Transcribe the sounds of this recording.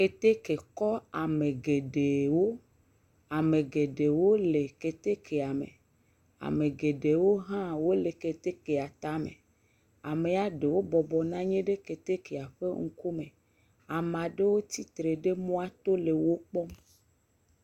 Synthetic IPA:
ke˨t̪e˦ke˨kɔ˦a˨me˨ɡe˨ɖe˨wo˦ | a˨me˨ɡe˨ɖe˨wo˦le˨ke˨t̪e˦kʰe˨a˨mḛ˨ | a̰˨me˨ɡe˨ɖe˨wo˦ɦã˦wo˦le˨ke˨t̪e˦ke˨a˨t̪a˨˦mḛ̃˨ | a̰˨me˨a˨ɖe˨wo˦bɔ˨bɔ˨nã˦ɲẽ˦ɖe˦ke˨t̪e˦ke˨a˨ɸe˦ŋ̩˦ku˦mẽ˨ | a˨mã˨ɖe˦wo˦t̪i˦t̪ɾe˨ɖe˦mõ˦a˦t̪o˦le˨wo˦k͡pɔ˦m

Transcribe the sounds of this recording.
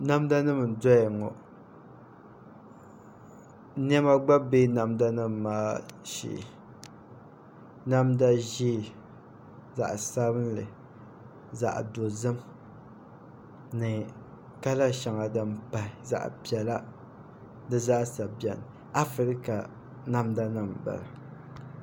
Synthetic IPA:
na˦mda˦nɨ˦m˨dɔ˦jɛ˨ŋɔ̰˨˦ | n˦ɛ˦ma˦ɡ͡ba˦be˦na˨mda˦nɨ˦mː˨aː˦ʃḭ˨ | na˦mda˦ʒi˦˨ | za̰˨ʔsa˦bɨ˦n˦lɨ˨ | za̰˨ʔdo˨zɨ˦m | nɨ˨ | ka˦la˦ʃa˨ŋa˨dɨ˦m˦pa˨ɪ˨za̰˨ʔpjɛ˨la˦ | dɨ˦za˦ʔsa˨bɛ˨n˨ | a˦fɾi˨ɾɨ˦ka˨ | na˦mda˦nɨ˦˨mba̰˨la˨

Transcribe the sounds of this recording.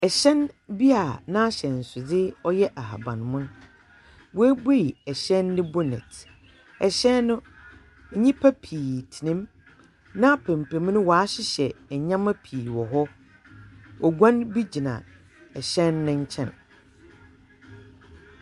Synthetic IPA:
ɛ˨ɕɛ̃˦nbi˦a˨nã˦a˦ɕɛ˨n̩˨sʊ˨dɪ˦ɔ˦jɛ˦ʔa˨ɦa̰˨bã˨n˨mʊ̃˦n | wɔ˦æ˦be˦i˨ɛ˨ɕɛ̃˦nːɪ̃˦bɔ˦nɛ̰̃˨t | ɛ˨ɕɛ̃˦nːʊ̃˦ | ɲ̩˦ɲĩ˦pʰa˦pʰiː˨tʰi˨nɪ̃˦m | nã˦pʰɛ̃˨m˨pʰẽ˨m˦nʊ̃˦wɔ˨a˦ɕɪ˦ɕɛ˨ɲã˦ma˦pʰiː˨wɔ˨ɦɔ˦ | ɔ˨ɡʷã˦nbi˦d͡ʑi˨nã̰˨ | ɛ˨ɕɛ̃˦nːʊ̃˦ɲ̩˦t͡ɕʰɛ̰̃˦˨n

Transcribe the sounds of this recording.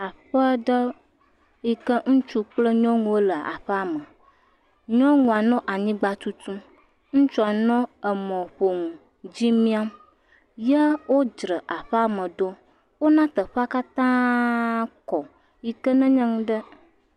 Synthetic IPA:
a˨ɸə˦ɖə˦ | ji˦kə˦ŋũ˦t͡ʃu˦k͡plə˦ɲɔ̃˦ŋũ˨wo˦lə˨a̰˨ɸə˦a˨mə̃˨ | ɲɔ̃˦ŋũ˨a˨nɔ̃˦ʔa˨ɲĩ˦ɡ͡ba˨t͡ʃu˦t̪ũ˦ | ŋ̩̃˦t͡ʃu˦a˨nɔ̃˦ə˨mɔ̃˨ɸo˨ŋũ˨ | d͡ʑi˦mĩ˦a˦m | jə˦wo˦d͡ʒɾə˨ʔa˨ɸə˦a˦˨mə̃˨ɖo˦ | wo˦nã˦t̪ə˨ɸə˦a˦ka˦t̪ã˦ | kɔ˨ | ji˦kə˦nə̃˦ɲə̃˦ŋũ˦ɖə˦

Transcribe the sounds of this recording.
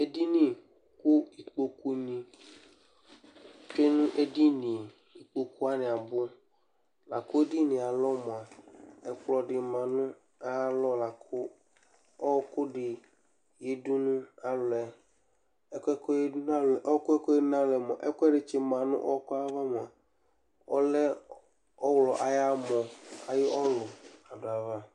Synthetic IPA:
e˦di˦nĩ˦ | kʊ˦i˨k͡po˨ku˦nĩ˨ | t͡ʃe˦nũ˦ʔe˦di˦nĩ˨ | i˨k͡po˨ku˦a˦nɪ̃˨a˨bʊ˦ | la˨kʊ˦e˦di˦nĩ˨a˨lɔ˦mɔ̃˨a˨ɛ˨k͡plɔ˨ɖɪ˨mã˨nũ˦ | a˦lɔ˦la˨kʰʊ˦ | ɔ˦kʊ˦ɖɪ˨ | je˦du˦nũ˦a˨lʊ˨ɛ˨ | ɛ˦kɛ˦kɔ˦je˦du˦nã˦lɛ˨ʔɔ˦kʊ˦ɛ˦kɔ˦e˦nã˦lɛ˨mɔ˨ʔɛ˦kʊ˦ɛ˦ɖɪ˨t͡ʃe˦mã˨nṵ̃˦ʔɔ˦ɔ˦kɔ˦a˦va˦mɔ˨a˨ | ɔ̰˦lɛ˦ | ɔ˦wlɔ˨ʔa˨ja˦mɔ̃˨a˨je˦ɔ˦lɔ˨a˨ɖo˨a˨va˦

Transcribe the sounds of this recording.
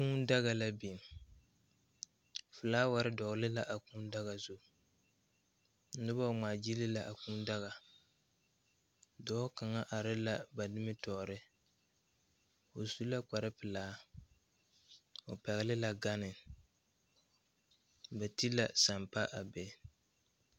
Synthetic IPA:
kuː˦n˦da˦ɣa˨la˦bi˨m | fɨ˨laː˦wa˨ɾɪ˦dɔ˨ɣlɪ˦la˦ʔa˨ku˦n˦da˦ɣa˨zʊ˦˨˦ | nɨ˦ba˦˨ŋ͡maː˨d͡ʒi˦lɪ˦la˨ʔa˨kuː˦n˦da˦ɣa˨ | dɔː˨˦ka˨ŋa˦ʔa˨ɾɪ˦la˦ba˨nɨ˦mɨ˦tɔː˨ɾɪ˦ | o˨zu˦la˦k͡pa˨ɾɪ˦pɨ˨laː˦ | o˨pɛ˨ɣɪ˦lɪ˦la˨ɡa˦nɪ˨ | ba˨ti˦la˨sa˨mpa˦ʔa˨bɛ˨˦

